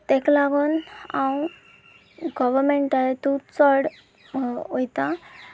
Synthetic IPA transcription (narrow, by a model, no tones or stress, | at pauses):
t̪ɛklaɡunãw | ɡɔʋəɾmeɳʈaɦet̪ut͡sɔɽ | ojt̪ã